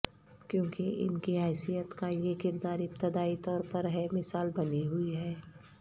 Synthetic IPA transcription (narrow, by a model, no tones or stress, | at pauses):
kjõːkiɪ̰nkiɦɛːsijət̪kajekɪɾd̪aːɾɪp̚t̪ɪd̪aːit̪ɔːɾpɐɾɦɛmɪsaːlbɐniɦʊiɦɛː